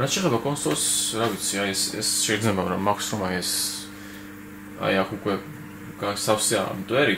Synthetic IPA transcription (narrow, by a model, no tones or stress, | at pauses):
ɾat̪t͡ʃʰɛːχɛbakʼɔnsɔlsɾavit̪sʰiajɛsɛ̰sʃɛid̪znɛbaɾɔmːakʷʰsɾɔmaiɛs | a̰jakʰukʼwɛ | ɡ̥asafsia̰mt̪ʼwɛɾi